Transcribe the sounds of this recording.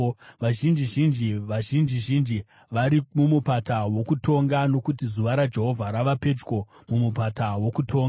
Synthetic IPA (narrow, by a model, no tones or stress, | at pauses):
ʋaʒind͡ʒiʒind͡ʒiʋaʒind͡ʒiʒind͡ʒi | ʋaɾimumupatawo̞kutʰo̞ŋɡano̞kutizuʋaɾad͡ʒe̞ɦo̞vʱaɾaʋape̞d͡ʒko̞ | mumupatawo̞kutʰo̞ːŋɡaa